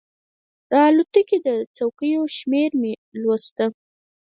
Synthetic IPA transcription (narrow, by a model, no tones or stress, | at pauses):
d̪ɑlut̪əkid̪ət͡sawkəjoʃmeɾmelwost̪ə